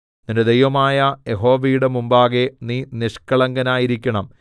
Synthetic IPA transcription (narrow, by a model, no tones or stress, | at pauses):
ninded̪ejʋɐmaːjɐjeɦo̞ːʋijuɽemumbaːɣe̞niːniʂkɐɭɐŋɡɐnaːjiɾikʲːɐɳɐm